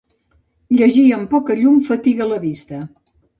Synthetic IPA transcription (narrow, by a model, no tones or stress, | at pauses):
ʎəʒiəmpɔkəʎumfət̪iɣələβist̪ə